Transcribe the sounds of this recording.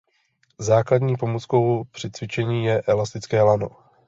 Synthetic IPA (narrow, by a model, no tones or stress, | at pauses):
zaːkladɲiːpo̞mot͡sko̞wpr̝̥ɪt͡svɪt͡ʃɛɲiːjɛʔɛlast̪ɪt͡skɛːlano̞̰